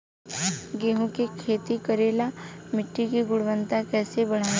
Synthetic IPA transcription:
ɡeːɦõkikʰeːt̪ikɐɾeːlamɪʈːikiɡʊɽʋənt̪akɛːsebɐɽ̤aː

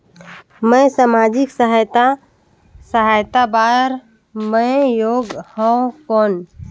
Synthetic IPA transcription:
məsamad͡ʒiksəɦajt̪a | səɦajt̪abaɾ | məɪjoɡhɔ̃okon

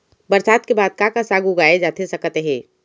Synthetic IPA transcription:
bəɾsaːt̪kebaːd̪̚kakasaːɡuɡaːed͡ʒaːt̪ʰesəkət̪ɦɛ̃ː

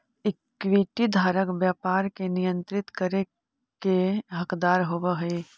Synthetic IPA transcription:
ɪkːʋiːʈid̪ʱaːɾəkbjaːpaːɾkenɪjə̃nt̪ɾɪt̪kəɾe | keɦɐkd̪aːɾɦoʋəɦʊe

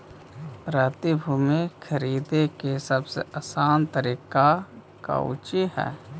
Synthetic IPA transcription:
pɾaːt̪ibʱʊmẽkʰəɾiːd̪ekesəbsḛəsaːnt̪əɾiːka | ka̰ʊ̰t͡ʃiɦɛ̰ː

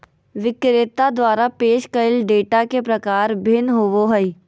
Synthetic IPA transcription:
ʋɪkɾeːt̪ːad̪ʋaːɾapeːʃkɐɪlɖeːʈakepɾɐkaːɾbʱɪnɦoʋoɦəi

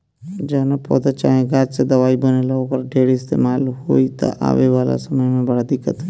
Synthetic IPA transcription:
d͡ʒaːnapɔ̰ːd̪at͡ʃa̰ːɦẽɡaːd͡ʒsed̪ɐʋaːibɐnelɐoːkəɾɖʱeːɽiɪst̪ḛːmaːlɦoːit̪a̰ʔa̰ːʋeʋaːla̰sɐməjmẽbɐɽad̪ɪkːət̪ɦɛ

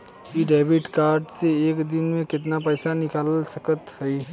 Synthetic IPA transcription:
kiɖeːbɪʈkaːɾɖseeːkd̪ɪnmẽkɪt̪̬napɛːsanɪkaːlsɐkət̪ɦɛi

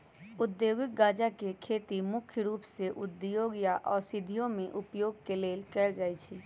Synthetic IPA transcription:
ʊd̪joːɡɪk̚ɡaːd͡ʒakekʰeːt̪imʊkʰjəɾuːpseʔʊd̪ːjoːɡjaʔɔːɾsɪd̪ʱːijõmẽʔʊpjoːɡ̚keleːlkɛld͡ʒaːit͡ʃʰiː

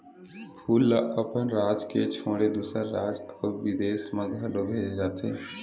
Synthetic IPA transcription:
pʰuːlːaʔəpənɾaːd͡ʒket͡ʃʰoːɽed̪uːsəɾɾaːd͡ʒɔːɾʋɪd̪eːsmãɡʱəlobʱeːd͡ʒd͡ʒaːt̪eː

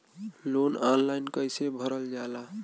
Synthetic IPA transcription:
lonanlajnkəjsebʱəɾəld͡ʒala

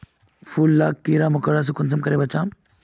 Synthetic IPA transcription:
fuːlːaːkːiːɾaːmʊkəɽaːs̬ukʊnsɐmkɐɾeːbɐt͡ʃaːm

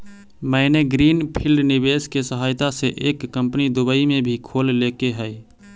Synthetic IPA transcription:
məɪneɡɾiːnpʰilɖnibeskesəɦaːjt̪aseʔekːəmpnid̪ʊbəimẽbʱikʰollekeɦəj

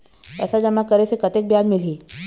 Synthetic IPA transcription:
ɛ̰sad͡ʒəmakəɾesekət̪ek̚bjad͡ʒmɪliː

